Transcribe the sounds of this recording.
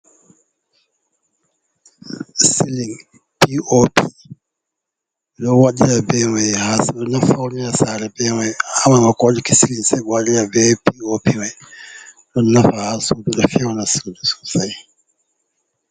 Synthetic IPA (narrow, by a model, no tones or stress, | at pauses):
siliŋ | piʔopi | lɔwaɗilabɛwɛhasɔnafawninasaɾɛbɛwɛamamakɔlikisiliŋsɛbwadiɾabɛwɛpiopiwɛj | dɔnafahasududɔfɛwanasudusu̥saj